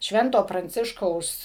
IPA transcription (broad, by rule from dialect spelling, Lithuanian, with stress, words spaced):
ˈʃʲʋʲɛntoː prɐnʲˈt͡sʲɪʃkɐʊs